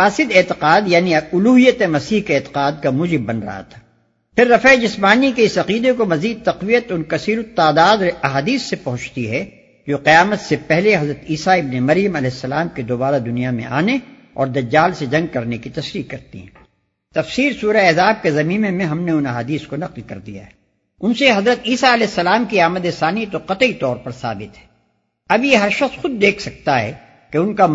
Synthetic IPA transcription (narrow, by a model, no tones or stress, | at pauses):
faːsɪd̪ɛːt̪ɪqaːd̪jaːniʊluːɦijət̪emɐsiːɦkeɛːt̪ɪ̥qaːd̪̚kamuːd͡ʒɪbːɐnɾɐ̰ɦa̰t̪ʰḁː | pʰɪɾːɐfɛed͡ʒɪsmaːnikeɪsɐqiːd̪ekomɐziːd̪̚t̪ɐqʋijət̪ʊnkɐsiːɾot̪ːaːd̪aːd̪ɐɦaːd̪iːsːepɐɦʊ̃t͡ʃʰt̪iɦɛ | d͡ʒoːqɪjaːmət̪sepɛɦleɦɐzɾət̪iːsaɪbnemɐɾjəmɐlɛɦɪsːɐlaːmked̪oːbaːɾad̪ʊnijamḛ̃ʔa̰ːne | ɔːɾd̪ɐd͡ʒːaːlsed͡ʒɐ̃ŋɡ̚kɐɾnekit̪ɐsɾiːkɐɾt̪ḭɦɛ̰̃ | t̪ɐfsiːɾsuːɾeɛzaːb̚kezɐmĩːmemẽɦɐmneʊnɐɦaːd̪iːskonɐqlkɐɾd̪ija̰ɦɛ | ʊnseɦɐzɾət̪iːsaɐlɛːɦɪsːɐlaːmkiaːməd̪esaːnit̪oqɐt̪it̪ɔːɾpɐɾsa̰ːbɪt̪ɦɛ̥ː | ɐbjeɦɐɾʃɐqsxʊd̪̚ːeːkʰsɐk̚t̪aɦɛ̰ | keʊnka